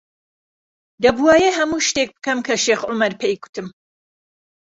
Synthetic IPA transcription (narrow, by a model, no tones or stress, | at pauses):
d̪ɐbuwaːjeɦɐmuːʃt̪ek̚bɨkɐmkʰɐʃeːxʔʊmɐɾpʰejkʰu̥t̪ʰɨm